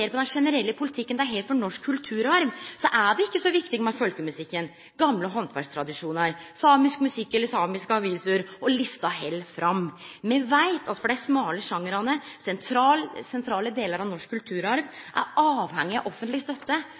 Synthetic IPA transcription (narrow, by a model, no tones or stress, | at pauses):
eːɾpʰɔd̪ɛnʂɛnəɾɛlːəpʰʊlɪt̪ʰɪkːənd̪æɾɦeɪfɔɾnɔʂkʰːʉlt̪ʰʉːɾɑɾʋsɔʔæɖɛɪkːəsɔʋɪkt̪ɪɡmɛfœlkəmʉsɪkːən | ɡɑmləɦɔnt̪ʰʋæ̰ʂst̪ʰɾɑd̪ɪʂuːnəɾsɑːmɪskmʉsɪkːɛlːəsɑːmɪskəɑʋiːsəɾɔlɪst̪ɑɦɛlːfɾɑmmɛʋæɪt̪ʰɑt̪fɔɖæɪsmɑːləʂɑŋːəɾɑnəsɛnt̪ʰɾɑːlsɛnt̪ʰɾɑːləd̪eːləɾɑʋnɔʂkʰːʉlt̪ʰʉːɾɑɾʋʔæ̰ɾɑːʋhɛŋːɪɑʔɔfːənt̪lɪst̪œt̪ːə